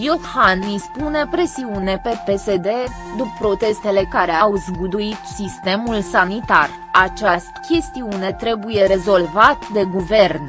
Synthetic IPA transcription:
jot̪hanispune̞pɾe̞siune̞pe̞pe̞se̞d̪e̞ | d̪upːɾo̞t̪e̞st̪e̞le̞kaɾe̞awzɡud̪uit̪sist̪e̞mulsanit̪ar | at͡ʃast̪kʲe̞st̪iune̞t̪ɾe̞buje̞ɾe̞zo̞lvat̪d̪e̞ɡuve̞rn

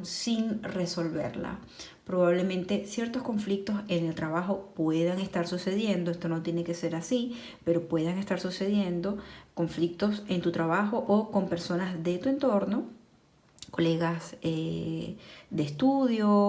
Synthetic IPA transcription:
siŋre̞so̞lβe̞̰ɾla̰ | pɾo̞βaβle̞mẽ̞nt̪e̞sje̞ɾt̪o̞sko̞ɱflik̚t̪o̞se̞ne̞lt̪ɾaβaxo̞pwe̞ðaŋe̞st̪aɾsuse̞ðje̞nd̪oest̪o̞no̞t̪je̞ne̞ke̞se̞ɾasi | pe̞ɾo̞pwe̞ðaŋe̞st̪aɾsuse̞ðje̞nd̪o̞ko̞ɱflik̚t̪o̞se̞nt̪ut̪ɾaβaxo̞ʔoko̞mpe̞ɾso̞nazðe̞t̪ue̞nt̪o̞ɾno̞ | ko̞le̞ɣase | d̪est̪uðjo

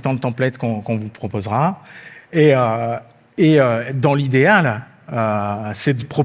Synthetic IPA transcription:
t̪ɑ̃dət̪ɑ̃plɛt̪kɔ̃kɔ̃vupχɔpozʁa | eø | eød̪ɑ̃lid̪eal | øsɛd̪əpχɔ

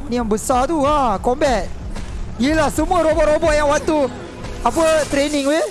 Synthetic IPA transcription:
niaŋbəsat̪uãkombɛt̪̚ | jilahsəmuəɾobɔʔɾobɔʔjaŋwat̪u | apət̪ɾeniŋwe

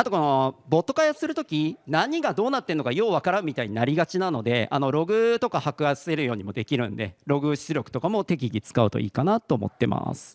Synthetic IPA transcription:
at̪o̞ko̞no̞bo̞t̪ːo̞kajasɨɾɯ̟t̪o̞kʲinaɲ̟iɡad̪o̞ːnat̪ːe̞nːokajo̞ːβakaɾãmʲit̪aiɲ̟inaɾʲiɡat͡ɕinano̞d̪e̞a̰no̞ɾo̞ɡɯ̟t̪o̞kahakɯ̟asse̞ɾɯ̟jo̞ːɲ̟imo̞d̪e̞kʲiɾɯ̟̃nd̪e̞̰ɾo̞ɡɯ̟ɕt͡sɨɾʲo̞kɯ̥t̪o̞kamo̞t̪e̞kʲiɡʲit͡sɨ̥kaɯ̟t̪o̞̰ḭːkanat̪ːo̞ːmo̞̰t̪ːe̞ma̰sɨ̥

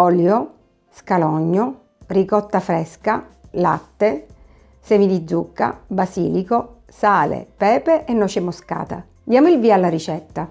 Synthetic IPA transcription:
ɔljo | skalɔɲːo | rikɔt̪ːafɾɛskalat̪ːe | sɛmid̪id̪zːukːa̰basḭːliko | saːlḛpɛːpeʔenːɔt͡ʃemoska̰ːt̪a̰ | d̪jaːmoilviːalːaɾit͡ʃɛt̪ːa

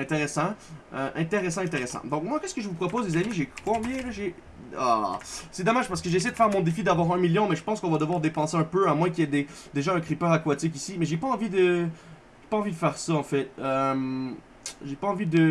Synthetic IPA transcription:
ɛ̃t̪eʁesɑ̃øʔɛ̃t̪eʁesɑ̃ɛ̃t̪eʁesɑ̰̃d̪ɔ̃kmwakʲɛskəʒəvupχɔpozlezamiʒekɔ̃bjɛ̃ləʒe | a̰sɛd̪ɔmaʒ̥paʁsə̥kəʒes̬ɛjd̪əfɛʁmɔ̃d̪efid̪avwaːʁɛ̃miljɔ̃mɛʒəpɑ̃skɔ̃vad̪əvwaːʁd̪epɑ̃seɛ̃pøamwɛ̃k̬ʲiɛd̪ed̪eʒaɛ̃kχipœʁakwat̪ik̬isimɛʒepaɑ̃vid̪ə | ʒepaɑ̃vid̪əfɛʁsaɑ̃fɛt̪̚øm | ʒepaɑ̃vid̪ə

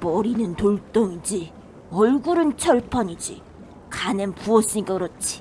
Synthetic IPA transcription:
pʌɾinɯnt̪oɭt͈oŋid͡ʑi | ʌɭɡuɾɯnt͡ɕʰʌɭpʰʌɲid͡ʑḭ | kʰanɯnpuʌs͈iɲik͈akɯɾʌt̚t͡ɕʰi̥

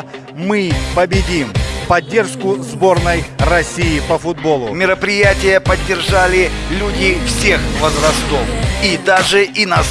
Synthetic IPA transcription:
mɨpəbʲɪdʲimpɐdʲːe̞rʂkʊzbo̞rnəjɾɐsʲijɪpəfʊd̪̚bo̞lˠʊmʲɪɾəpɾʲɪjætʲɪjəpədʲːɪrʐalʲɪlʲudʲɪfsʲexvəzɾɐst̪ofid̪aʐɨʔina

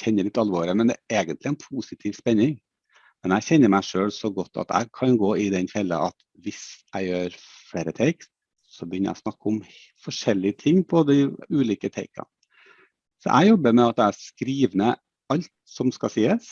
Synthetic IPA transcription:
çɛnːəɭɪt̪ːɑlʋoːɾɪmɛnd̪ɛ̰ʔeːɡənt̪lɪæɛnpʰusɪt̪ʰiːʋspɛnːɪŋ | mɛnæɪçɛnːəɾmæɪʂøːlsɔɡɔt̪ːɑ̰t̪æ̰ɪkʰɑnɡoːɪd̪ɛnfɛlːə̰ʔɑt̪ | ʋɪsæɪjøːɾ | fɽeːɾət̪ʰeɪks | sɔbəjʏnəɾʔæ̰snɑkːʊm | fɔʂɛlːɪət̪ʰɪŋːpʰɔd̪ɪʉːliːkət̪ʰeɪkʰɑ̰ | sɔ̰ʔæ̰ɪjɔbːəɾmɛɑt̪̚d̪ææʂkɾiːʋnə | ɑlt̪sɔmskɑsiːəs

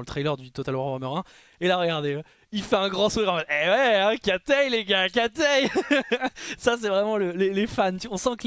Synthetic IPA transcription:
lət̪χɛlœʁd̪yt̪ɔt̪al̃ʁɑmœʁɛ̃ | elaʁəɡaʁd̪e | ilfɛɛ̃ɡʁɑ̃suʁiʁɑ̃faɛwɛɛ̃kʲat̪ɛjleɡak̬ʲat̪ɛj | sas̬ɛvʁɛmɑ̃ləlelefant̪yaɔ̃sɑ̃kəl

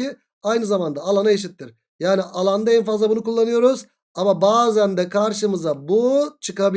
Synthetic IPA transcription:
i | ajnɯzamand̪aːlˠanaeʃ̬it̪ːiɾ | jaːniʔalˠand̪aɛnfazlˠabunukulˠːanɯjo̞ɾuz | amabaːzænd̪ɛkʰaɾʃɯmɯzabut͡ʃʰɯkabi

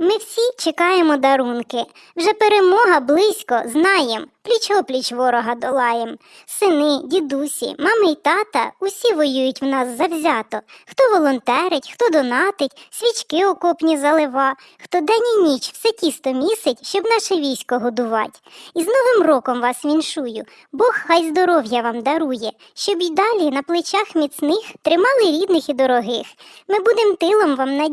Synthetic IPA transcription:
mɪwsʲit͡ʃekɑjemɔd̪ɐɾunkɪ | wʒɛpeɾemɔɦɐblˠɪsʲkɔznɑjemplʲit͡ʃɔplʲit͡ʃʋɔɾɔɦɐd̪ɔlˠɑjem | sɪnɪdʲid̪usʲḭmɑmɐit̪ɑt̪ɐ̰ʊsʲiʋɔjujʊtʲwnɑsːɐwzʲɑt̪ɔxt̪ɔʋɔlˠɔnt̪ɛɾɪtʲxt̪ɔd̪ɔnɑt̪ɪtʲsʲʋʲit͡ʃkɪɔkɔpnʲizɐlˠɪʋɑ | xt̪ɔd̪ɛnʲinʲit͡ʃwsɛtʲist̪ɔmʲisɪtʲʃt͡ʃɔbnɑʃɛʋʲijsʲkɔɦɔd̪ʊʋɑ̰tʲiznɔʋɪmrɔkɔmʋɑsʋʲinʃujʊ | bɔxxɑjzd̪ɔɾɔwjɐʋɑmd̪ɐɾujɛ | ʃt͡ʃɔbid̪ɑlʲinɐplˠɪt͡ʃɑxmʲit̪snɪxt̪ɾɪmɑlˠɪɾʲid̪nɪxid̪ɔɾɔɦɪxmɪbud̪emt̪ɪlˠɔmʋɑmnɐ

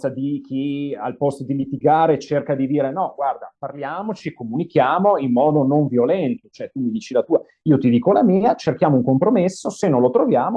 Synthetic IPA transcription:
sad̪ik̟ʰia̰lpɔst̪od̪ilit̪iɡaːɾet͡ʃerkad̪id̪iːɾenɔɡward̪aparljaːmot͡ʃikːomunik̟jaːmoimːɔːd̪onoɱvjolɛnt̪ot͡ʃoɛt̪umid̪iːt͡ʃilat̪uːa | iːot̪id̪iːkolamiːat͡ʃerkjaːmouŋkompɾomesːosenːõlot̪ɾovjaːmo

